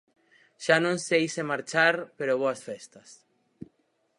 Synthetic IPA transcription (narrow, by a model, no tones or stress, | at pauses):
ʃanõnsejsemaɾt͡ʃaɾpeɾoβoasfɛst̪ɐs